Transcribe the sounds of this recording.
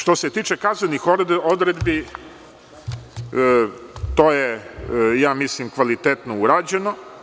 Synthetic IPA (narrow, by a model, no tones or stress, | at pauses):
ʃt̪o̞set̪iːt͡ʃekazanixod̪ɾed̪bi | t̪oːjejaːmislimkʋalit̪et̪nouɾaːd͡ʑeno